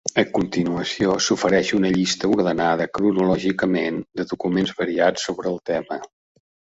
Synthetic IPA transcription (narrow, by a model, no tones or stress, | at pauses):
əkunt̪inuəsiosufəɾɛʃunəʎist̪əuɾðənaðəkɾunulɔʒikəmend̪əðukumenzβəɾiat͡sːoβɾəːlˠt̪ɛmə